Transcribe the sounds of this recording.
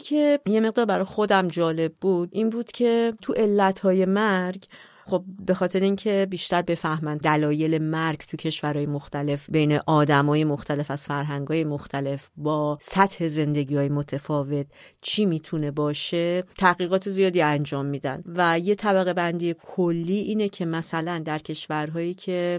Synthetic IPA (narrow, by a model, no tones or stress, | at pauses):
kʰeje̞me̞ɣ̚d̪ɒːɾbæɾɒjxo̞d̪æmd͡ʒɒːle̞bːuːd̪̥ʔinbuːd̪̥cʰe̞t̪ʰuʔe̞lːæt̪hɒːje̞mæɾɡ | xo̞b̚be̞xɒːt̪ʰe̞ɾeiŋcʰe̞biːʃt̪æɾbe̞fæhmænd̪ælɒːje̞le̞mæɾɡt̪ʰucʰe̞ʃvæɾɒːjemoxt̪æle̞fbe̞jne̞ʔɒːd̪æmɒːje̞moxt̪ʰæle̞fæz̥fæɾɦæŋɡɒːje̞moxt̪ʰæle̞fbɒːsæt̪he̞ze̞nd̪e̞ɟiːɒːjemot̪ʰefɒːve̞t̪̚ | t͡ʃʰimiːt̪ʰune̞bɒːʃe̞t̪ʰæɣiːɣɒːt̪ʰe̞zijɒːd̪iːænd͡ʒɒːmːiːd̪æ̰nvæje̞t̪ʰæbæɣe̞bænd̪iːjekʰolːiːʔiːnecʰe̞mæsælænd̪æɾcʰe̞ʃvæɾɦɒːjiːcʰe̞